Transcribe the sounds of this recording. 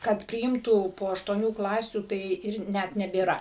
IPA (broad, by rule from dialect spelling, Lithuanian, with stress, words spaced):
ˈkɐt pʲrʲɪˈɪmtuː poː ɐʃtuɔˈnʲuː ˈklˠɑːsʲuː tɐɪ ˈɪr ˈnʲɛt nʲɛbʲeːˈrɐ